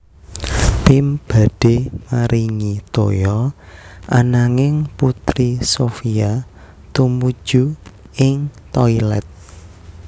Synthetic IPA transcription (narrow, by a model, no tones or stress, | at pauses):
t̪ɪmb̥a̤d̥emaɾiŋit̪ojɔ | ʔanaŋɪŋput̪ɾisofia | t̪umud̥ʒ̥u | ɪŋt̪ɔilɛ̰t̪̚